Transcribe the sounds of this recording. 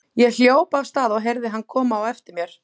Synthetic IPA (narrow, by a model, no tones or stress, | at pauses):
jɛɣl̥joːwpavst̪aːðɔɣɦeɾðɪɦanːkʰɔːmaːwɛft̪ɪɾmjɛɾ̥